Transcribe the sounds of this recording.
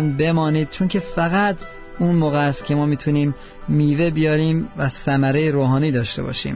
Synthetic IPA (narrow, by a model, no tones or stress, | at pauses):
nbe̞mɒːniːd̪̚t͡ʃʰoncʰe̞fæɣæt̪ʰ | unmoːɣeæst̪̚cʲʰe̞mɒːmiːt̪ʰuniːmː | iːve̞bijɒːɾiːmvæsæmæɾejeɾoːɦɒːniːd̪ɒːʃt̪e̞̰bɒ̰ːʃḭːm